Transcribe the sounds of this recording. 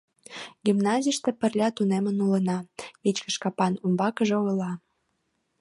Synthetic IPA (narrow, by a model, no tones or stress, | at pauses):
ɡ̥imnɑzʲijʃt̪epə̆rlʲɑt̪unemənulənɑvet͡ɕkə̆ʃkɑpɑnumbɑkəʒeojlɑ